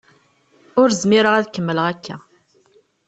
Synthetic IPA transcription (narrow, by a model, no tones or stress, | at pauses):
ʊɾzmiɾəʁæðkəmːələʁækʰːæ